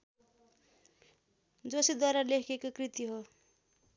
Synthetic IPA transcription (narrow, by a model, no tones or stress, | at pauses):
d͡zosid̪waɾalekʰekokrit̪iɦo